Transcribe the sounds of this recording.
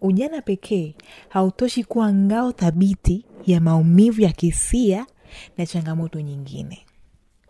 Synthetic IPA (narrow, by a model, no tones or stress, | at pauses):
uʄanapɛkʰɛːhautɔʃikuwaŋɡaɔθaɓitijamaumivujakisia | nat͡ʃaŋɡamɔtɔɲiŋɡḭnɛ